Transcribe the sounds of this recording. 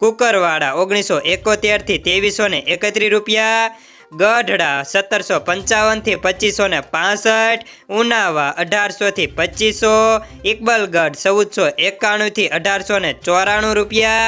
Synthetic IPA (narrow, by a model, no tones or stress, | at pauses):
kukəɾʋaɽa̰oɡɽ̃isɔʔekot̪eɾt̪ʰit̪eʋisːoneʔekət̪ɾiɾupja | ɡəɖʱɽasət̪ːəɾsɔpəɲt͡ʃaʋənt̪ʰipət͡ʃisːonepãsəʈʰ | unaʋaʔəɖʱaɾsot̪ʰipət͡ʃisɔ | ik̚bəlɡəɖʱsəʋud̪sɔʔekaɽ̃ũt̪ʰiʔəɖʱaɾsonet͡ʃɔɾaɽ̃ũɾupja